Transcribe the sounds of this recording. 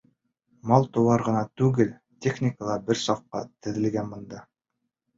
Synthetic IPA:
mɑlˠt̪ŏwɑɾʁɤ̆nɑt̪ʉɡɘl | tʲeχnʲɪkəlˠɑbɘɾsɑq̚qɑ̰t̪ɘ̆ðɘ̆lɡænbɤ̆nd̪ɑ

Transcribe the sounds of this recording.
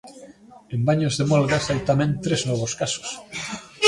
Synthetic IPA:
ẽmbaɲozðemɔlɣasajt̪amɛ̃nt̪ɾeznɔβ̞oskaso̥s

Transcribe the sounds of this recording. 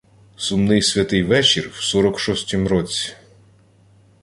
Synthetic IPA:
sʊmnɪjsʲʋʲɐt̪ɪjʋɛt͡ʃirwsɔɾɔkʃɔsʲtʲimɾɔt͡sʲi̥

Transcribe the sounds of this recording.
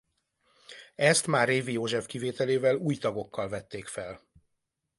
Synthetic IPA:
ɛst̪maːreːvijoːʒɛfkiveːt̪ɛleːvɛluːjt̪ɒɡo̞kːɒlvɛt̪ːeːkfɛl

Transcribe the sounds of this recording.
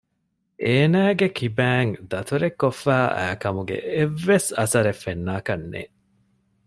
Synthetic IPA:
ʔeːnæːɡekʰibæːŋd̪ɐt̪ʰuɾekːofːæːʔæ̰ːkɐmuɡḛeʋːesɐsɐɾefːenːaːkɐnːḛː

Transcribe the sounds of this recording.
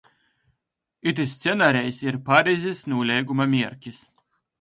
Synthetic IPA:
it̪̬ist̪sʲɛnaɾʲɛjsiɾpaɾʲizʲisnuːlʲɛjɡumamʲiɛɾkʲis

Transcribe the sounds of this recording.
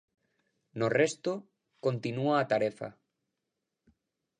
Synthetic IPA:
norest̪o | kont̪inuaːt̪aɾefa̰

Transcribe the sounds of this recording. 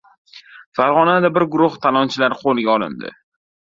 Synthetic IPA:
faɾʁɒnad̪abɪɾɡʊɾʊχt̪ʰalˠɒnt͡ʃʰɪlaɾqʰolˠɡʲaɒlɪ̰nd̪ɪ̰

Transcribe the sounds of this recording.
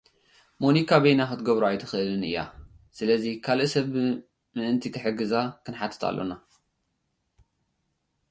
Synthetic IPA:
mo̞nikʰaβejnaxɨt̪ɡɐβɾoajt̪ʰɨxʔɨlɨnɨ̰jːa̰ | sɨlɐzikʰalʔɨsɐβ | mɨʔɨnt̪ʰikʰɨħɨɡɨzakʰɨnħat̪ʰɨ̥t̪ʰa̰lːo̞̰na

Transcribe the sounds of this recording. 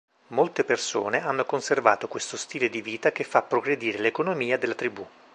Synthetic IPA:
molt̪eperso̰ːneanːokonserva̰ːt̪okwest̪ost̪iːled̪iviːt̪akefːapːɾoɡɾed̪iːɾelekonomiːad̪elːat̪ɾibu

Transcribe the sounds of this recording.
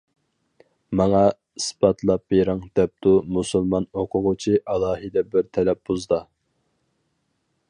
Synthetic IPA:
mɑŋɑ | isbɑt̪ʰlˠɑp̚beɾɪŋd̪ɛp̚t̪umusɨlˠmɑnoqʰʊʁʊt͡ʃʰiʔɑlˠɑːɦɨd̪ɛbɪɾt̪ʰɛlɛp̚b̥uzd̪ɑ

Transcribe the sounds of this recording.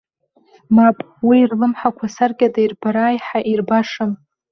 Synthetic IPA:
mapʼ | wiːrlɨmħakʷʰasarɡʲʼadairbaɾaːjħaʔirbaʂɨm

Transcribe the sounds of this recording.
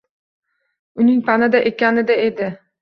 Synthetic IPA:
ʊnɪŋpʰanɪd̪aʔekʲanɪd̪aed̪ɪ

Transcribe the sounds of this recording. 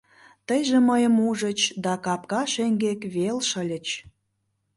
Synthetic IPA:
t̪əjʒeməjə̆muʒət͡ɕd̪ɑkɑp̚kɑʃeŋɡekβelʃə̆lʲə̆t͡ɕ

